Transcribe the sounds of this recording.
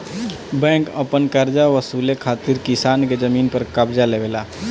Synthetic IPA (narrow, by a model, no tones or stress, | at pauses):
bɛ̃ːkəpənkəɾd͡ʒaʋəsuːlekʰaːt̪ɪɾkɪsaːnked͡ʒəmiːnpəɾkɐbd͡ʒaleʋeːla̰ː